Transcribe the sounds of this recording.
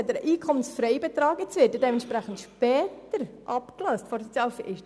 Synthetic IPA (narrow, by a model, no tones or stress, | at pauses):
dəɾʔiːkʰɔmənsfɾɛɪbɛt̪ɾɑːɡət͡sʋɪtdədɛːmɛntʃpɾæχən̩tʃpɛːtəɾ | ʔɑpklœstfɔɾsɔt͡sjɑːlfɪ